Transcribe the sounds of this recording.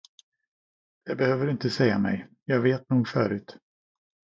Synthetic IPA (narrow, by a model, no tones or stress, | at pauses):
d̪̥ɛbɛhøːvəɾɪnt̪əsɛjːamɛ̰j | jɑːɡveːt̪nuːɡfœːɾʉ̟ːt̪